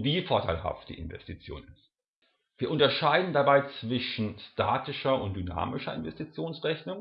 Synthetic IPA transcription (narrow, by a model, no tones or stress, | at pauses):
viːfoːɐtʰaɪlɦa̰ft̚d̥ḭːʔɪnvɛ̰stit͡sjo̰ːnɪst | viːɐʔʊntɐʃaɪdn̩dabaɪt͡sv̥ɪʃn̩staːtɪʃɐʊnt̚d̥yna̰ːmɪʃɐɪ̰nvɛstit͡sjoːnsʁɛçnʊŋ